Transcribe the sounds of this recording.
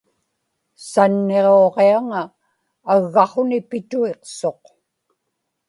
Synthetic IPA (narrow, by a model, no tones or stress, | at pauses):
sanːe̞ʁoːʁeaŋaː | ɣːɑχonɪpɪt̪ue̞qso̞q